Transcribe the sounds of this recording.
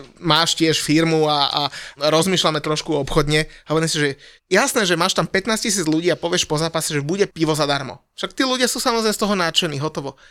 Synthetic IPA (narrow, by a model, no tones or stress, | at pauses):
maːʃcɪɛʃfiɾmuaa̰ɾɔzmiːʃlamɛt̪ɾɔʃkuɔpxɔd̪ɲɛɦɔʋɛɾimɛsiʒɛɛ | jasnɛːʒɛmaːʃt̪ampɛt̪naːscis̬iːd͡zʎuɟiːapɔʋɪɛʃpɔzaːpasɛʒɛbuɟɛpiʋɔzad̪aɾmɔ̰fʃak̚t̪iːluɟɪasuːsamɔzɾɛɪmɛst̪ɔɦɔnaːt͡ʃɛniːɦɔt̪ɔʋɔ